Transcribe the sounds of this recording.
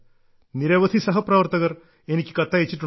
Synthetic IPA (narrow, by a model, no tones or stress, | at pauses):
niɾɐʋɐt̪ʰisɐɦɐpɾɐʋɐɾt̪ɐɡɐɾ | eniki̥kɐt̪ːaet͡ʃːiʈu